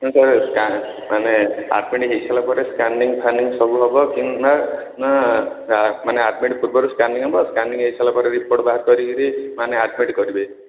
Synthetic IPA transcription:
saɾska | manea̰ʈmiʈɦeit͡ʃʰalapɔɾeskanɖiŋt̪ʰaniŋsɔbuɦɔbɔkinmana | maneaʈmiʈpuɾbɔɾuskaɳɖiŋɦɔbɔskaɳɖiŋɦeit͡ʃʰalapɔɾeɾipoɾʈbaɦd̪̚kɔɾikiɾimaneaʈmiʈkɔɾibe

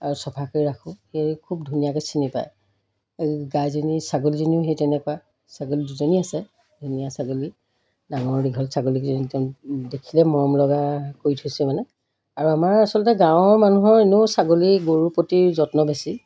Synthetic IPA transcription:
aɹusɔpʰakɔɹiɹakʰʊ̃hekʰub̚dʱunijakɛsinipa̰j | ɡajzonisaɡoliziniʊɦejtɛnɛkɔwa | saɡoliduzoniasɛ | dʱunijasaɡoli | daŋɔɹːiɡʱɔlsaɡolikzɔnitdekʰilɛmɔɹɔmlɔɡakoɹitʰujsɛmanɛ | aɹuamaɹasɔlɔtɛɡãʊ̃ɹmanuɦɔɹenusaɡoliɡoɹupotizɔtnɔbesi

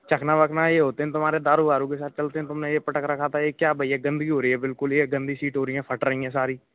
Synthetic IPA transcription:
t͡ʃəkʰnãːʋəknãːeːɦoːt̪eɦɛ̃t̪ʊmaːɾeːd̪aːɾuːaːɾũːkesaːt̪̚t͡ʃəlt̪eːɦɛ̃ːt̪ʊmnẽːeːpəʈəkɾəkʰaːt̪aeːkjaːbʱəɪaːɡə̃nd̪ɡiːɦoːɾiːɛ̃ːbɪlkʊleːɡə̃nd̪iːsiːʈɦoːɾɪjãːpʰəʈɾəiːãːsaːɾiː

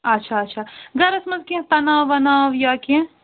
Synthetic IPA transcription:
ɐtːʃʰaɐtːʃʰaːɡɐɾɐsmɐzkẽt̪ɐnaːʋɐnaːʋjaːkẽ

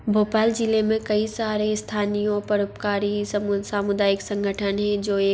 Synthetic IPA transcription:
bʱoːpaːld͡ʒilemẽkɐisaːɾest̪ʰaːnijõpɐɾʊpkaːɾismsaːmʊd̪aːjɪksɐ̃ŋɡʱəʈʰənɦɛ̃d͡ʒoːeː

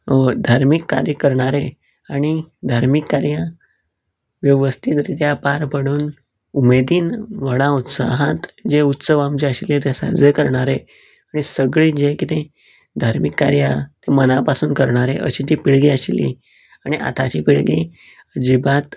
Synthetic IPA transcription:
d̪ʱaɾmikːa̰ɾjəkəɾɳ̃aɾe | aɽ̃id̪ʱaɾmikːaɾja | ʋjəʋəst̪ʰit̪ɾit̪japaɾpəɽ̃uːn | umed̪iːnʋəɽ̃ãut̪sa̰ɦat̪d͡ʑeut̪səʋamt͡ɕeəɕilet̪esa̰d͡zəkəɾɳaɾe | aɽ̃isəɡɭiːd͡ʑekit̪e | d̪ʱaɾmikːa̰ɾjat̪emənapasuːnkəɾɳaɾeʔə̰ɕiːt̪̬ipiɭɡiaɕilḭ | aɽ̃iʔa̰t̪ʰat͡ɕiːpiɭɡi | əd͡ʑibat̪

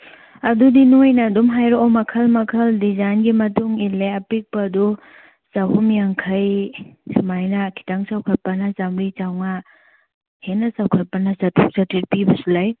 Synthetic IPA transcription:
ɐdudinojnɐdumɦajɾoomɐkʰɐlmɐkʰɐldizajnɡimɐtuŋilːeɐpik̚pɐdu | saɦumjaŋkʰɐjsimajnɐkʰi̥taŋsawkʰɐt̚pɐnɐsamɾit͡ʃawŋa | henːɐsawkʰɐt̚pɐnɐsɐtʰuk̚t͡ʃɐtʰːit̚pibɐsulaj

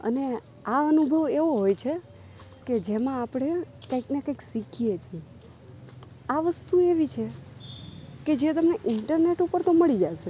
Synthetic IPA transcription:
ə̰ne | aənubʱəʋeʋoɦojt͡ʃʰe | ked͡ʒemãːpɽ̃e | kəiknekəiksikʰijet͡ʃʰie | aʋəst̪ueʋit͡ʃʰe | ked͡ʒet̪əmneʔɪɳʈəɾneʈupəɾt̪oməɭid͡ʒaʃe

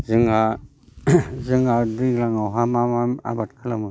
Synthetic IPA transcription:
zɯŋa | zɯŋadiɡlaŋawɦamamama̰batkʰalamɯ

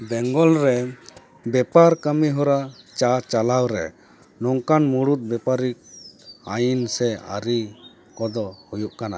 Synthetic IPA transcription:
bɛŋɡɔlɾɛ | bɛpaɾkamiɦɔɾat͡ʃat͡ʃalawɾɛ | nɔŋkanmuɽut̪̚ˀbɛpaɾikajinsɛa̰ɾi | kɔd̪ɔhujuʔkana̰

